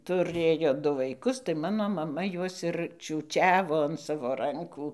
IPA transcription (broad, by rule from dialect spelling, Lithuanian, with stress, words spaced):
tʊˈrʲeːjoː ˈdʊ ʋɐɪˈkʊs tɐɪ ˈmɑːnoː mɐˈmɐ ˈjuɔs ɪr t͡ʃʲuːˈt͡ʃʲæːʋoː ɐn ˈsɑːʋoː ˈrɐŋkuː